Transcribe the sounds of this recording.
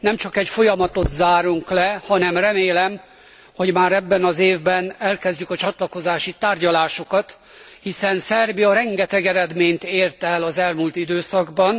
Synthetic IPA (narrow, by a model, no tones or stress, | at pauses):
nɛmt͡ʃɒkɛcfo̞jɒmɒt̪o̞t̪zaːɾuŋklɛhɒnɛmrɛmeːlɛm | ho̞ɟmaːɾɛbːɛnɒzeːvbɛnɛlkɛzɟykɒt͡ʃɒt̪lɒko̞zaːʃit̪aːrɟɒlaːʃo̞kɒt̪ | hisɛnsɛrbiɒɾɛŋɡɛt̪ɛɡɛɾɛd̪meːɲt̪eːrt̪ɛlɒzɛlmult̪id̪øːsɒɡbɒn